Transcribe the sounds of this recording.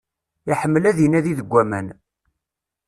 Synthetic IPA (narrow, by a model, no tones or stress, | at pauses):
iħəmːəlæðinæðiðəɡʷːæmæ̰n